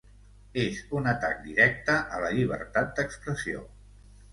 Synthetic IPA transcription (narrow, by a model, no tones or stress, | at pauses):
ezunət̪ak̚d̪iɾɛk̚t̪əʔələʎiβ̞ə̰ɾt̪at̪̚d̪əkspɾəsio̰